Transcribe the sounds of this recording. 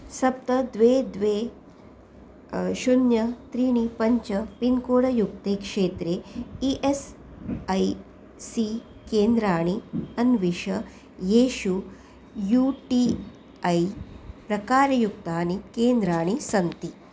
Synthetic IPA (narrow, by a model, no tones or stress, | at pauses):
sɐp̚t̪ɐd̪ʋeːd̪ʋeː | ʃunjɐt̪ɾiːɳ̃ipɐɲt͡ʃɐpinkoːɽɐjuk̚t̪eːkʂeːt̪ɾeiʔes | ɐj | si | keːnd̪ɾaːɳ̃iɐnʋiʃɐ | jeːʃu | juʈi | ɐjpɾɐkaːɾɐjuk̚t̪aːnikeːnd̪ɾaːɳ̃isɐnt̪i